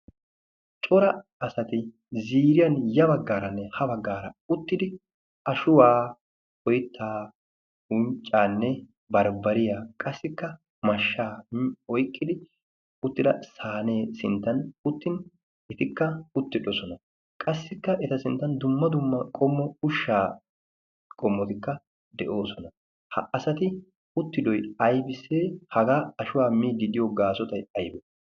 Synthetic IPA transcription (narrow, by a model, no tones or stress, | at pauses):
t͡ʃʼɔɾɐɐsɐt̪ɪ | ziːɾɪjɐnjɐbɐɡːaːɾɐnːɛhɐbɐɡːaːɾɐ̰ʊt̪ːɪd̪ɪ | ɐʃʊwaː | ɔjɪt̪ːaː | ʊnt͡ʃʼːaːnːɛ | bɐɾbɐɾɪjakʼɐsːɪkːɐ | mɐʃːaːɔjkʰʼːɪd̪ɪ | ʊt̪ːɪd̪ɐsaːne̞ːsɪnt̪ːɐnʊt̪ːɪn | ɛt̪ɪkːɐʊt̪ːɪᶑɔsɔnɐ | kʼɐsːɪkːɐʔɛt̪ɐsɪnt̪ːɐnd̪ʊmːɐd̪ʊmːɐkʼɔmːɔʊʃːaː | kʼɔmːɔt̪ɪkːɐ | d̪ɛʔo̞ːsɔnɐ | hɐ̰ʔɐsɐt̪ɪ | ʊt̪ːɪd̪ɔjɐjbɪsːeːhɐɡaːɐʃʊwaːmiːd̪ɪd̪ɪjoɡaːsɔt̪ɐjɐjbɛ